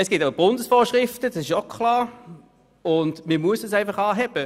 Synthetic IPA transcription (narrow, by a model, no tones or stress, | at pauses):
ɛsɡ̥ɪtabʊndəsfoːʃʁɪftəd̥ɑsɪʃokʰlɑː | ʊndməmuəsdəsæɪnfɑχɑːɦɛb̥ə